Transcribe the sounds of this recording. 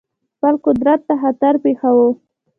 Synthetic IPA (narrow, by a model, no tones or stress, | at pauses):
b̥alqʊd̪ɾat̪ːaɦat̪aɾpexawo